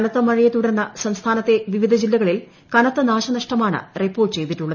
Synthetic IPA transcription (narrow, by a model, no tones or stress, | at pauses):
ɐnɐt̪ːɐmɐɻijɐt̪ːuɽernːɐsɐmst̪ʰaːnɐt̪ːe̞ʋiʋid̪ʱɐd͡ʑilːɐɣɐɭil | kɐnɐt̪ːɐnaːɕɐnɐʂʈɐmaːɳɨ̰ripːo̞ːrʈːɨt͡ɕe̞jt̪itːuɭːɐð